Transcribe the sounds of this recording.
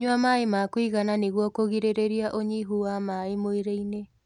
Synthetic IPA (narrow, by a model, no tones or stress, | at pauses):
ɲwamaemakwiɣananeɣwɔkoɣiɾeɾeɾiaʔoɲiɦuwamaemoeɾeine